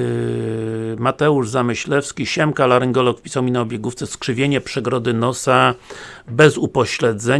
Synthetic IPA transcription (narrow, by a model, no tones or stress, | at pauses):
mat̪ɛuʐzamɘɕlɛfskʲiɕɛmkalaɾɘŋɡɔlɔkfpʲisawmʲinaɔbʲjeɡuft̪sɛskʂɘvʲjeɲɛpʂɛɡɾɔd̪ɘnɔsa | bɛzupɔɕlɛd̪zɛ